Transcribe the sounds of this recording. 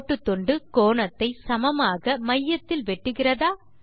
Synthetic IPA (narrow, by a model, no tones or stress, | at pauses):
ʈːɯt̪ːɔɳɖɯkoːɳɐt̪ːɐɪsɐmɐmaːɣɐmɐjːɐt̪ːɪlʋɛʈːɯɣɪrɐðaː